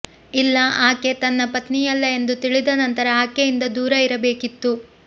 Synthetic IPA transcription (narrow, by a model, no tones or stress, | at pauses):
ilːɐʔaːke̞t̪ɐnːɐpɐt̪nijɐlːɐe̞nd̪ut̪iɭid̪ɐnɐnt̪ɐɾɐaːkejind̪ɐd̪uːɾɐiɾɐbe̞ːkit̪ːu